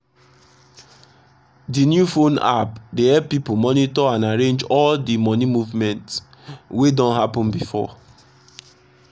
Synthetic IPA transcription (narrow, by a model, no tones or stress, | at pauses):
dinjufona̰pdehɛppːipumɔnitɔãnaɹẽnd͡ʒɔldimɔnimuvmɛ̃nts | wedɔ̃nɦapɔ̃nbifɔ̰